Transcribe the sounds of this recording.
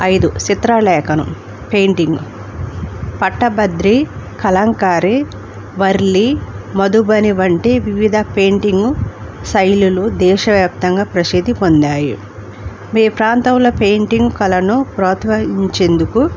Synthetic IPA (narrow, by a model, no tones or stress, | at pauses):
ɐjd̪ut͡ʃit̪ɾɐlɛːkʰɐnṵ | pe̞ːɳʈiŋɡu | pɐʈːɐbɐd̪ɾikɐlɐŋkaːɾi | ʋɐɾlimɐd̪ubɐniʋɐɳʈeʋiʋid̪ʱɐpe̞ːɳʈiŋɡusɐjlulud̪ɛːʃɐʋjaːp̚t̪ɐŋɡaːpɾɐsid̪ʱːipond̪aːjṵ | meːpɾaːnt̪ɐwlɐpeːɳʈiŋɡkɐlɐnupɾɔːt̪ʋɐɦiɲt͡ʃend̪uku